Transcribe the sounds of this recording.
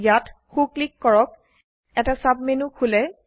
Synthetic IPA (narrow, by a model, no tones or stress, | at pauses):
jatxuklikːɔɹɔk̚ | ɛtasab̚menukʰulɛ